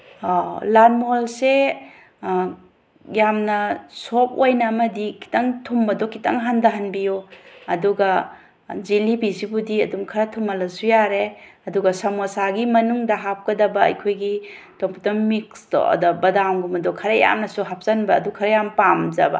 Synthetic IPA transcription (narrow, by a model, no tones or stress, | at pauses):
lanmolse | jamnɐsop̚ojnɐːmɐdikʰi̥tɐŋtʰumbɐdɔkʰitaŋɦandɐɦɐnbijuɐduɡɐ | d͡ʒilibizibudiɐdumkʰɐɾɐtʰumɐlɐsujaɾeɐduɡɐsɐmosaɡimɐnuŋdɐɦap̚kɐdɐbɐɐ̰jkʰojɡi | toŋpʰutɐmmikstɐ̰dɐbɐdamɡumɐdɔkʰɐɾɐja̰mnɐsuɦap̚zɐnbɐːdukʰɐɾɐjampamzɐbɐ̰